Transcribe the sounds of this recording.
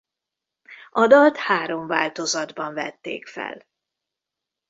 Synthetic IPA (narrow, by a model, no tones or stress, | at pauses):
ʔɒd̪ɒlt̪haːɾo̞ɱva̰ːlt̪o̞zɒd̪bɒɱvɛt̪ːḛːkfɛ̰l